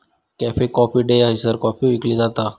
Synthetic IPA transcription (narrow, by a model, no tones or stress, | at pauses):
kɛːpʰekɔːpiɖeːjaɦɪsəɾkɔːpiɪklid͡ʒaːt̪aː